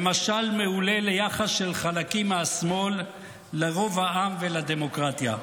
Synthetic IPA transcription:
emaʃalme̞ule̞lejaχasʃe̞lχalakimasmo̞lː | eʁo̞vhaʔamvelad̪e̞mo̞kʁat̪ja̰

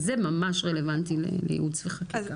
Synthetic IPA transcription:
zemamaʃʁele̞vantilḛlḛjḭudsveχakika

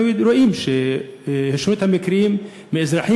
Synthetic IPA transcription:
iɾoʔiːmʃe | heʃnut̪hamɪkɾjiːmː | ɪʔɪzɾɑħiː

